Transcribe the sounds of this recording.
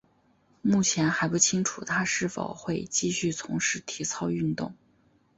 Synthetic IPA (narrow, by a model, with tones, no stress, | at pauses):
mu˥˩t͡ɕʰjɛ˧˥nxa˧˥ɪpu˥˩t͡ɕʰi˥ŋʈ͡ʂʰu˨˩t̪ʰa˥ʂɻ̩˥˩fo̰˨˩ʊxwe˥˧ɪt͡ɕi˥˧ɕy˥˩t͡sʰʊ˧˥ŋʂɻ̩˧˥t̪ʰi˧˥t͡sʰɑ˥ʊy˥˧nt̪ʊ̰˥˩ŋ